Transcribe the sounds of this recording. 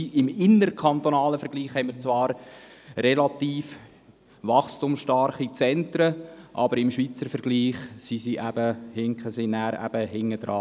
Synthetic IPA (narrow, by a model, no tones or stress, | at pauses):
ɪmɪnːərkʰχɑnt̪onɑːləfɛɾɡliːχhɛɪmɪɾt͡sʋɑːɾrɛlɑt̪iːf | ʋɑχstʊmsʃtɑrχit͡sɛntɾəʔɑ̰bəɾɪmʃʋiːt͡səɾfɛɾɡ̥liːχsisiʔæb̥əhɪŋkχəsinæːɾæ̰b̥əhɪŋːəd̥̪ɾɑː